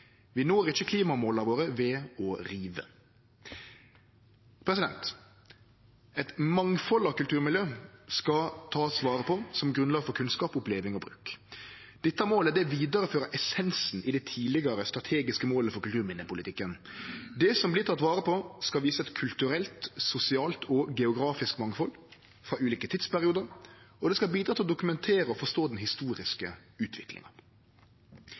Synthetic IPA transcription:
ʋɪnoːɾɪçːəkʰliːmɑmoːlɑɾʋoːɾəʋɛɔɾiːʋə̰ | pʰɾɛs̬ɪd̪ɛ̰nt̪ | ɛt̪mɑŋfɔlɑkʉlt̪ʉːɾmɪljøːskɑt̪ʰɑːsʋɑːɾəpʰɔsɔmɡɾʁʉnlɑːɡfɔɾkʰʉnskɑːpʊpleːʋɪŋɔbɾʉ̰ːk | d̪̥ɪt̪ːəmoːləd̪ɛʋiːd̪əɾəføːɾəʔɛsɛnsn̩ɪd̪ɛt̪ʰiːlɪɡɑɾəst̪ɾʁɑt̪ʰeːɡɪskəmoːləfɔɾkʉlt̪ʰʉːɾmɪnːəpʊlɪt̪ʰɪkːənd̪ɛsɔmblɪːt̪ɑt̪ːʋɑːɾəpʰɔskɑlʋiːsəɛt̪kʰʉlt̪ʉɾɛlt̪sʊsɪɑːlt̪ɔɡɛʊɡɾɑːfɪskmɑŋfɔl | fɾɑʔʉːliːkət̪ʰɪt̪spæɾɪuːd̪əɾɔd̪ɛskɑlbiːd̪ɾɑːt̪ɪlɔd̪ʊkʉmɛnt̪ʰeːɾəɔfɔʂt̪oːd̪ɛnɦɪst̪uːɾɪskəʉːt̪ʰʋɪklɪ̰ŋɑ

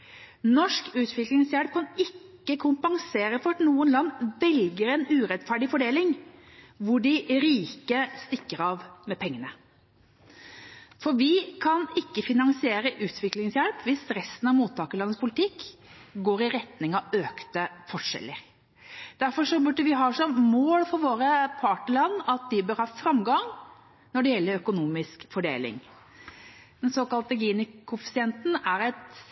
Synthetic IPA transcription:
nɔʂkʉːt̪ʰʋɪklɪŋsjæɽp̚kʰɑnɪkːəkʰʊmpɑŋseːɾəfɔɾɑt̪nuːənlɑnːʋɛlɡəɾɛnʉːɾɛd̪fæɖɪfɔɖeːlɪŋ | ʋʊɖɪɾiːkəst̪ɪkːəɾɑʋmɛpʰɛŋːənə | fɔɾʋɪkʰɑnɪkːəfɪnɑŋsɪeːɾəʔʉːt̪ʰʋɪklɪŋsjæɽpʰʋɪst̪ɾɛst̪ən̩ɑʋmuːt̪ʰːɑːkəlɑnːəspʰʊlɪt̪ʰɪkːɡoːɾɪɾɛt̪nɪŋɑʋøːkt̪əfɔʂɛ̰lːəɾ | d̪̥æɾfɔʂɔbʉɖəʋɪɦɑːʂɔmmoːlfɔɾʋoːɾəpʰɑʈəlɑnːɑt̪̚d̪ɪbøːɾhɑːfɾɑmɡɑŋ | nɔɖɛjɛlːəɾœkʊnuːmɪskfɔɖḛːlɪ̰ŋ | d̪ɛnsoːkɑlt̪əɡiːnəkʰʊfɪsɪɛnt̪n̩æɾɛt̪

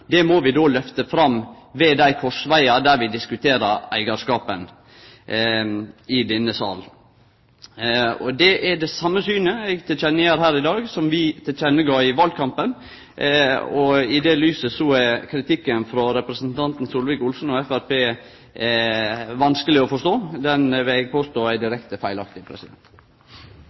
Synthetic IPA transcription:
d̪ɛmɔʋɪd̪oːlœft̪əfɾɑm | ʋeːd̪æɪkʰɔʂʋæɪɑd̪æɾʋɪd̪ɪskʉt̪ʰeːɾəɾæ̰ɪɡɑɾʂkɑːpən | ɪd̪ɛnːəsɑ̰ːl | ɔ̰d̪ɛʔæɖɛsɑmːəsyːnəɛɡt̪ʰɪlt͡ʃɛnːəjæːɾɦæːɾɪd̪ɑːɡsɔmʋɪt̪ʰɪlt͡ʃɛnːəɡɑːɪʋɑld̪̚kʰɑmpən | ɔɪd̪ɛlyːsəsɔɛkʰɾɪt̪ʰɪkːənfɾɔɾɛpɾəsn̩t̪ʰɑnt̪n̩suːlʋɪːkʊlsn̩ɔɛfæɾpeː | ʋɑnskəlɪɔfɔʂt̪oːd̪ɛnʋɪlɛɡpʰoːst̪oːæɪd̪ɪɾɛkt̪əfæɪlɑkt̪ɪpʰɾɛ̰sɪd̪ɛ̰nt̪

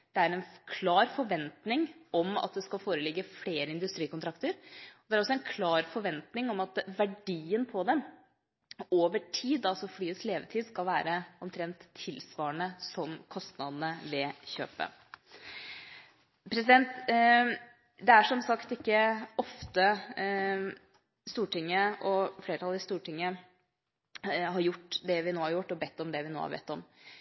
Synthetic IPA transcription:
d̪̥ɛæɾɛnkʰlɑːɾfɔɾʋɛnt̪nɪŋɔmɑ̰t̪̚d̪ɛskɑlfoːɾəlɪɡːəfleːɾəɪnd̪ʉst̪ɾiːkʊnt̪ɾɑkt̪əɾɔd̪ɛæɾɔsːɔɛnkʰlɑːɾfɔɾʋɛnt̪nɪŋɔmɑt̪ʋæɖiːənpʰɔd̪ɛm | oːʋəʈʰiːd̪ɑlsɔflyːəsleːʋət̪ʰiːd̪skɑlʋæːɾəɔmt̪ʰɾɛnt̪ʰːɪlsʋɑːəɳəsɔmkʰɔst̪nɑd̪n̩əʋɛçø̰ːpə̰ | pʰɾɛsɪd̪ɛnt̪ | d̪ɛæʂɔmsɑkt̪ɪkːəɔft̪ə | st̪uːʈɪŋːəʔɔfleːɾətʰɑləst̪uːʈɪŋːə | ɦɑɾjʊʈːd̪ɛʋɪnoːhɑɾjʊʈːɔbɛt̪ːɔmd̪ɛʋɪno̰ːhɑ̰ɾbɛ̰t̪ːɔm

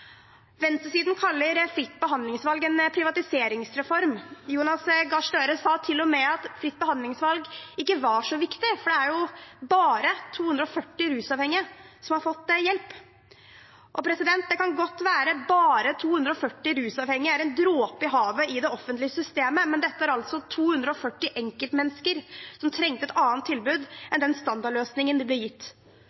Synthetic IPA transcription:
ʋɛnst̪əsiːd̪n̩kʰɑlːəɾfɾɪt̪ːbəɦɑnd̪lɪŋsʋɑlɡɛnpʰɾɪʋɑt̪ɪseːɾɪŋsɾɛfɔɾmjuːnɑsɡɑʂʈøːɾəsɑːt̪ʰɪlːɔmɛɑt̪fɾɪt̪̚ːbəhɑnd̪lɪŋsʋɑlɡɪkːəʋɑʂɔʋɪkt̪ɪfɔɖɛæɾjʊbɑːɾət̪ʰuːhʉnd̪ɾɔfœʈːɪɾʉːsɑːʋhɛŋːɪə | sɔmhɑɾfɔt̪ːjɛlp | ʔɔpʰɾɛsɪd̪ɛnt̪̚d̪ɛkɑnɡɔt̪ːʋæːɾəbɑːɾət̪ʰuːhʉnd̪ɾəɔfœʈːɪɾʉːsɑːʋhɛŋːɪəæɾɛnd̪ɾoːpɪɦɑːʋəɪd̪ɛɔfənt̪lɪəsʏst̪eːməmɛnd̪ɛt̪ːəæɾɑlt̪sɔt̪ʰuːhʉnd̪ɾəɔfœʈːɪʔɛŋkəlt̪mɛnːskəɾsɔmt̪ʰɾɛŋt̪əɛt̪ɑːnt̪ʰːɪlbʉːd̪ʔɛnd̪ɛnst̪ɑnd̪ɑɭøːsnɪŋənd̪ɪblɛjɪt̪ː

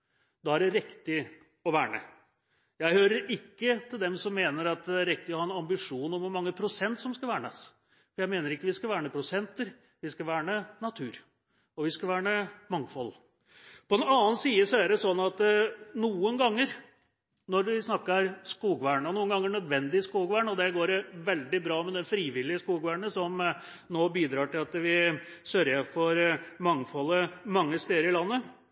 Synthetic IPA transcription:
d̪ɑæɖɛɾɪkt̪ɪ | ɔʋæːɳə̰ | jæɪhøːɾəɾɪkːət̪ʰɪld̪ɛmsɔmːeːnəɾɑt̪̚æɾɪk̚t̪ɪɔhɑːɛnɑmbɪʂuːnɔmʋʊmɑŋːəpʰɾʊsɛnt̪sɔmskɑʋæːɳəs | fɔɾjæɪmeːnəɾɪkːəʋɪskɑʋæːɳəpʰɾʊsɛnt̪əɾ | ʋɪskɑʋæːɳənɑt̪ʰʉːɾ | ɔʋɪskɑʋæːɳəmɑŋfɔlː | pɔɛnɑːənsiːəsɔæɖɛsɔnːɑt̪nuːənɡɑŋːəɾ | nɔɾʋɪsnɑkːəɾskuːɡʋæːɳɔnuːənɡɑŋːəɳœd̪ʋɛnd̪ɪskuːɡʋæːɳɔd̪ɛɡoːɾʋɛld̪ɪbɾɑːmɛd̪ɛnfɾiːʋɪlɪəskuːɡʋæːɳəsɔm | noːbiːd̪ɾɑːʈɪlɑt̪ʋɪsøɾjəfɔɾmɑŋfɔlːəmɑŋːəst̪eːəɾɪlɑnːə

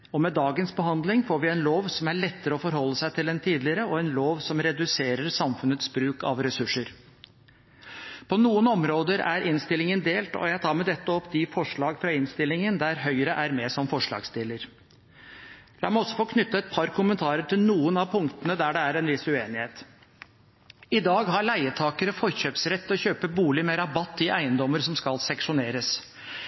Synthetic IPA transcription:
ɔmɛd̪ɑːɡənsbəɦɑnd̪lɪŋfoːɾʋɪɛnloːʋsɔmæɭɛt̪ːəɾəɔfɔɾhɔlːəsæɪt̪ʰɪlɛnt̪ʰiːd̪lɪɾəɔɛnloːʋsɔmɾɛd̪ʉseːɾəɾsɑmfʉnət̪sbɾʉːkɑ̰ʋɾɛsʉʂːəɾ | pʰɔnuːənɔmɾoːd̪əɾæ̰ɾʔɪnst̪ɪlːɪŋənd̪eːlt̪ɔ̰jæɪt̪ʰɑːɾmɛd̪ɛt̪ːəɔpːd̪ɪfɔʂɭɑːɡfɾɑɪnst̪ɪlːɪŋənd̪æɾɦœʏɾəʔæɾmesɔmfɔʂɭɑ̰ːɡst̪ɪləɾ | lɑːɾmæɔsːɔfoːkʰnʏt̪ːəɛt̪̚pʰɑɾkʰʊmənt̪ʰɑːɾəʈʰɪlnuːənɑʋpʰʊŋk̚t̪ənəd̪æɖɛæɾɛnʋɪsʉeːnɪheːt̪ | ɪd̪ɑːɡɦɑɾɭæɪət̪ʰɑːkəɾəfɔɾçøːpsɾɛt̪ːɔçøːpəbuːlɪmɛɾɑbɑt̪ːɪʔæɪənd̪ɔmːəɾsɔmskɑlsɛŋʂʊneːɾəs

